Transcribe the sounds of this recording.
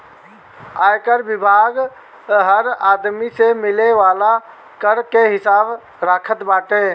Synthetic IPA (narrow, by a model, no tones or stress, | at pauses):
aːjkəɾbɪbʱaːɡ | ɦəɾaːd̪misemɪleʋaːla | kəɾkeɦɪsaːb | ɾaːkʰət̪baːʈeː